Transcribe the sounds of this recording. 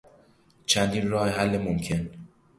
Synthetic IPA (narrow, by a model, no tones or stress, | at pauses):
t͡ʃʰænd̪iːnrɒːhehælːemomcʰe̞n